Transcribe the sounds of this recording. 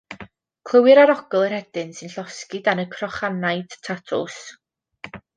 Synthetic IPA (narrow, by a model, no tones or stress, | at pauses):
kʰl̥ˠəwɪɾaɾɔɡɔlˠərhɛdɪnsɨnɬɔskɪdanəkʰrɔχanajd̥tʰatʰʊ̰s